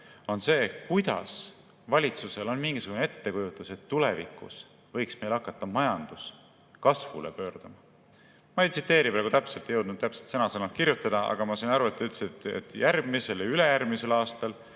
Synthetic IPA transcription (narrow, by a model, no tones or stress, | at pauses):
o̞nse̞ːkujd̪̥ɑ̰s | vɑlʲit̪suse̞lo̞nmiŋɡisuɡ̥une̞t̪ːe̞kujut̪ːˑuse̞t̪ːule̞vḭkːˑṵs | vɤ̞jksme̞jlɑkːˑɑt̪ːɑmɑjɑnd̪̥us | kɑsvṵle̞̰pø̞ːrd̪̥ɑmɑ | mɑejt̪sit̪ːˑe̞ːɾipɾæɡut̪æpse̞lt̪jɤwd̪nud̪̚t̪æpselt̪sɤnɑselnɑkirjut̪ːˑɑd̪̥ɑɑ̰ɡ̥ɑmɑsɑnɑɾuet̪ːˑyt̪lst̪ḛt̪ːˑjærɡ̥mise̞ljɑyle̞jærɡmise̞lɑːst̪ɑl